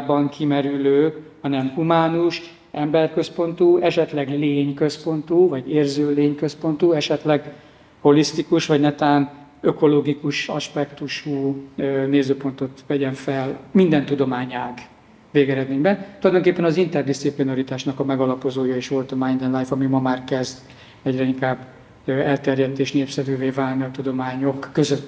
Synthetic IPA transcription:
abɒŋkʰimɛɾyløːhɒnɛmhumaːnuʃ | ɛmbɛrkø̞spo̞nt̪uːɛʃɛt̪lɛɡleːɲkøspo̞nt̪uːvɒɟeːrzøːleːɲkøspo̞nt̪uɛʃɛt̪lɛɡ | ho̞list̪ikuʃʋɒɟnɛt̪aːn | øko̞loɡikuʃɒʃpɛkt̪uʃuːneːzøːpo̞nt̪o̞t̪vɛɟɛɱfɛlmind̪ɛnt̪ud̪o̞maːɲaːɡ | veːɡɛɾɛd̪meːɲbɛnt̪ulɒjd̪o̞ŋkepːɛnɒzint̪ɛrd̪ist̪siplinoɾit̪aːʃnɒkɒmɛɡɒlɒpo̞zoːjɒeːʃʋo̞lt̪ɒmajnd̪ɛnlajfɒmimɒmaːrkɛzd̪ | ɛɟrɛiŋkaːbː | ɛlt̪ɛrjɛt̪eːʃneːpsɛvyːveːvaːlniɒt̪ud̪o̞maːɲo̞kːøzøt̪

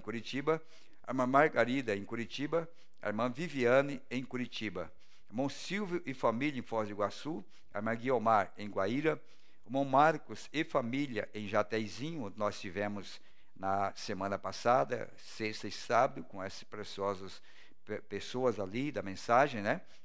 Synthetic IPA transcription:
koɾit͡ʃibɐ | a̰ɾmɐ̃maɾɡaɾid̪ɐẽj̃koɾit͡ʃibɐ | aḛɾmɐ̃viviɐ̃nɪẽj̃kuɾit͡ʃibɐ | mɐ̃w̃siwvjʊʔɪfamiljɐẽj̃fɔɾd͡ʒɪɡwasu | a̰ɾmɐ̃ɡiomaɾẽj̃ɡwaiɾɐ | mɐ̃w̃maɾkʊsɪfamiljɐʔẽj̃ʒat̪ɛjzĩɲʊ̃nɔst͡ʃivẽmʊz | nɐsemɐ̃nɐpasad̪ɐ̰ | sest̪ɐɪsabɐd̪ʊkõɛsɪ̥spɾesiɔzɐs | ppesoɐzalid̪ɐmẽsaʒẽj̃nɛ

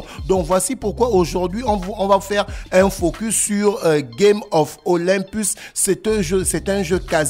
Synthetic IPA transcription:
d̪ɔ̃kvwasipuʁkwaoʒuʁd̪ɥiɔ̃vɔ̃vafɛʁɛ̃fokysːyʁɡemɔfolɛ̃pysːɛt̪ɛ̃ʒøsɛt̪ɛ̃ʒøkaz

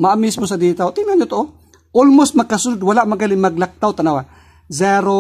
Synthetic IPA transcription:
maʔamismos̬ɐd̪iːt̪awt̪ɪnaɲot̪oʔo | ʔolmos̚mɐɡ̚kːasʊnod̪wɐlaʔmɐɡalɪŋmɐɡlak̚t̪awt̪ɐnawa | zɛɾo

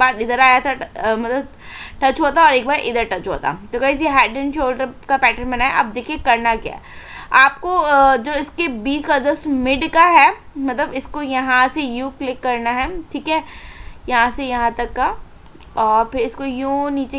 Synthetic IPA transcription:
baːɾɪd̪əɾaːjat̪ʰamɐt̪ləb | ʈɐt͡ʃɦoːt̪aɔːɾeːkbaːɾʔɪd̪əɾʈɐt͡ʃɦo̰ːt̪a̰t̪okɐɪs̬iɦɛːʈə̃nʃoːlɖəɾkapɛːʈənbɐnaːɛʔa̰ːb̚d̪eːkʰiekɐɾnakja̰ːɛaːpkod͡ʒoːɪskebiːskad͡ʒɐsmɪɖkaɦɛː | mɐt̪ləbɪskojɐɦãsejuːklɪkːɐɾnaɦɛːʈʰiːkɦɛːjɐɦãsejɐɦãt̪ɐkːa | ɔːɾpʰɪɾɪskojũːniːt͡ʃe

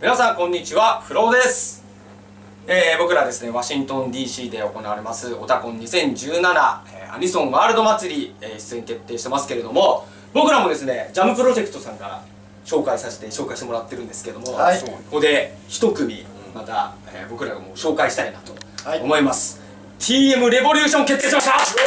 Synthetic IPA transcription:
mʲinasãŋkõ̞ɲ̟ːit͡ɕiβaɸɯ̟ɾo̞ːd̪e̞sɨ̥ | eːbo̞kɯ̟ɾad̪e̞sɨne̞βaɕĩnt̪õ̞nd̪ʲiːɕiːd̪e̞o̞ko̞naβaɾe̞masɨo̞t̪akõ̞ɲ̟ɲːisẽ̞ɲ̟d͡ʑɨːnanaeːa̰ɲ̟isõ̞ɰ̃βaːɾɯ̟d̪o̞mat͡sɨɾʲieːçi̥t͡sɨeɲit̪e̞t̪ːe̞ːɕit̪emasɨ̥ke̞ɾe̞d̪o̞mo̞ | bo̞kɯ̟ɾamo̞d̪e̞sɨne̞d͡ʑamɯ̟pɯ̟ɾo̞ʑe̞kɯ̟̥t̪o̞sãŋkaɾa̰ | ɕo̞ːkaisase̥t̪e̞ɕo̞ːkaiɕit̪emoɾat̪ːe̞ɾɯ̟̃nd̪esɨ̥keɾe̞d̪o̞mokod̪e̞ | çi̥t̪o̞kɯ̟mʲi | mat̪aḛːbo̞kɯ̟ɾaɡamoːɕo̞ːkaiɕi̥t̪ainat̪o̞ːmo̞imasɨ̥ | t̪ʲʰiːe̞mɯ̟ɾe̞bo̞ɾʲɯ̟ːɕõ̞ŋke̞t̪ːeːɕimaɕa

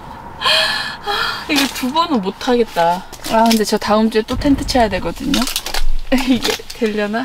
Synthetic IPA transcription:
aiɡetubʌnɯnmotʰaɡe̞t̚t͈a | akɯnde̞t͡ɕʌtaɯmd͡ʑ͈uet͈otʰentʰɯt͡ɕʰʌjadwe̞ɡʌdɯɲo | iɡe̞tweʎːʌna

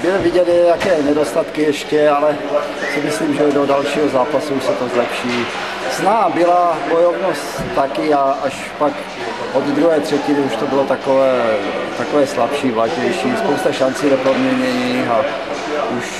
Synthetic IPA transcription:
bɪlɪvɪɟɛd̪ɛjakɛːnɛdo̞st̪at̪kɪjɛʃcɛalɛ | sɪmɪsliːmʒɛdodalʃiːɦozaːpasuuʃsɛt̪ozlɛpʃiː | snaːbɪlabojovnost̪ːakɪaʔaʃ | pak | ʔod̪d̪ɾuɦɛːt̪r̝̥ɛcɪnɪuʃt̪obɪlot̪akovɛːt̪akovɛːslapʃiːvlaɲɛjʃiːspowst̪aʃant͡siːdɛpodmɲɛɲɛɲixa | ʔuʃ

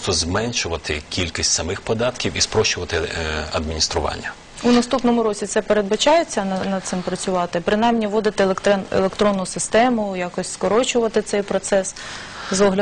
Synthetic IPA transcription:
t̪ɔzmɛnʃʊʋɐt̪ɪkʲilʲkisʲtʲsɐmɪxpɔd̪ɑt̪kʲiwispɾɔʃʊʋɐt̪ɪɐd̪mʲinʲist̪ɾʊʋɑ̰nʲːɐ | unɐst̪upnɔmʊɾɔt͡sʲit̪sɛpeɾe̞d̪̚bɐt͡ʃɑjet͡sʲːɐnɐnɐd̪t̪sɪmpɾɐt͡sʲʊʋɑt̪ɪpɾɪnɑjmnʲiʋɔd̪ɪt̪ɪlˠkt̪nḛlˠekt̪ɾɔnːʊsɪst̪ɛmʊjɑkɔsʲskɔɾɔt͡ʃʊʋɐt̪ɪt̪sɛjpɾɔt̪sɛs | zɔɦlʲɐ

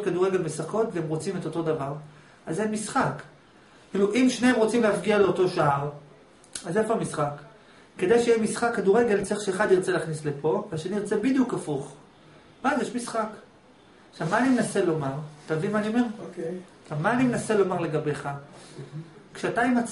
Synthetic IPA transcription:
t̚kaduʁeɡe̞lmesako̞tveemʁot͡sime̞to̞to̞davaʁ | azemisχakː | iluʔimʃneemʁo̞t͡simleafɡialeo̞to̞ʃaaʁ | azefoamisχakː | e̞d̪ejʃejemisχakːaduʁe̞ɡe̞lt͡seiʃeːχad̪jiʁt͡selaːχnisle̞pʰo̞veaʃenijʁt͡se̞bid̪jukafuχ | bazjeʃmisχak | ʃavmaːnimenase̞lo̞maʁtavimaːnio̞me̞ʁ | ʃavmaːnimenase̞lo̞maʁle̞ɡabe̞χa | kʃeataimat͡s

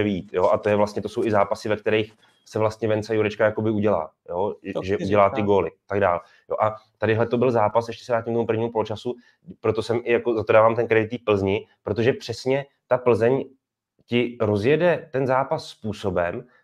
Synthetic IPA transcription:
ɛviiːt̪jo̞ʔat̪o̞jɛvlast̪ɲɛt̪oso̞wɪzaːpasɪvɛkt̪ɛɾɛjx | sɛvlast̪ɲɛvɛnt͡sajuɾɛt͡ʃkajako̞bɪuɟɛla̰ː | joʒɛʔuɟɛlaːt̪ɪɡo̞ːlɪat̪aɡda̰ːl | jo̰ʔat̪adɪɦlɛt̪o̞bɪlzaːpasʔɛʃcɛ̥sɛvɾaːcɪmkt̪omupr̩vɲiːmupo̞lot͡ʃasu | pɾo̞t̪o̞sɛmʔɪjakozat̪o̞daːvaːmt̪ɛnkɾɛdɪt̪ːiːfpl̩zɲɪpɾo̞t̪̬o̞ʒɛpr̥ɛsɲɛ | t̪apl̩zɛɲ | cɪɾo̞zjɛdɛt̪ɛnzaːpasːpuːso̞bɛm

